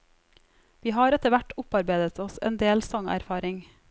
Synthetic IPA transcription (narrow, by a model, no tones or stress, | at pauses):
ʋiːɦɑːɾɛt̪əʋæʈʊpɑɾbeɪd̪ət̪ʰɔsɛ̰ːnd̪eːlsɔŋʔæ̰ɾfɑːɾɪŋ